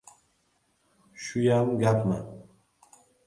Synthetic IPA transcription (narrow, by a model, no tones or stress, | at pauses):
ʃujamɡapʰma̰